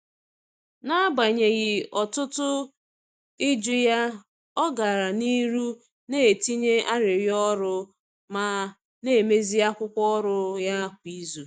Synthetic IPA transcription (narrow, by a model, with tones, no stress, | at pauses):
na˦ba˨ɲe˨ɣɪ˨ɔ˨tʊ˦tʊ˦ | i˦d͡ʒu˦ja˦ | ɔ˦ɡa˨ɾa˨ni˦ɾu˦ | ne˦e˨ti˦ɲe˦ʔa˦ɾɪ˨ɾjɔ˦ɾʊ˦ | ma˨ | ne˦˨me˦zi˦a˦kʷʊ˦kʷɔ˦ɾʊ˨ja˦kʷi˦zu˨